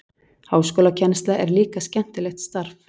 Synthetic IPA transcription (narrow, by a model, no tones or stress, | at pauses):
haːwskoːlacʰɛnst̪laʔɛɾliːkascɛn̥t̪ɪlɛxt̪st̪aɾf